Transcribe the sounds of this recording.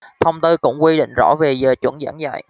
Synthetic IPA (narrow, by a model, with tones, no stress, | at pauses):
t̪ʰə˧wŋ͡mt̪ɨ˧kʊ̰˧˥wŋ͡mkwi˧ɗḭ˧˨ŋ̟zɔ̰˧˥ve˨˩zəː˨˩t͡ɕwə˧˩ŋza̰ː˧˥ŋza̰ː˧˨j